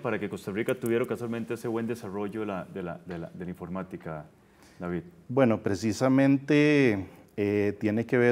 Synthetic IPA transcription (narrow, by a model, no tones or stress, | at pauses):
paɾakeko̞st̪arikat̪uβjeɾokaswalment̪e̞eseβwe̞nd̪e̞saro̞ʝolaðela̰ðela̰d̪e̞laiɱfo̞ɾmat̪ika | d̪aβiðbwe̞no̞pɾe̞sisamẽ̞nt̪e | et̪je̞nekeβe